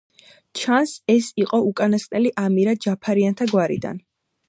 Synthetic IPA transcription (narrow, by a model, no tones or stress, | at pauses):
t͡ʃʰansɛsiqʼɔukʼanasʼnɛliʔamiɾad͡ʒapʰaɾiant̪ʰaɡwaɾḭd̪a̰n